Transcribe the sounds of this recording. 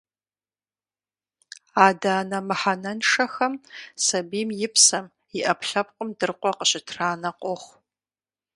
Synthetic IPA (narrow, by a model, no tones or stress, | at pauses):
aːdaːnɐmɨħanɐnʂɐxɐmsɐbiːmjɪpʰsɐm | iʔɐpʰɬɐp̚qʷʼʊmdɨrqʷɔqəɕɪtʰraːnɐqʷʼoχʷ